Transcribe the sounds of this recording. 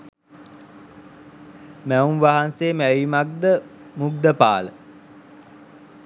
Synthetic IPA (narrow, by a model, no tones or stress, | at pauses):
mæunʋaɦanseːmæʋimak̚d̪əmuɡd̪əpa̰ːlə